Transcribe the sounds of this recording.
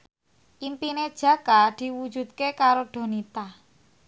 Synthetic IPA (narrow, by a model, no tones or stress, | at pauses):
ʔimpined̥ʒ̥ä̤kad̪̥i̤wu̥d͡ʒ̥ṳd̪̚kekaɾoɖ̥o̤nit̪a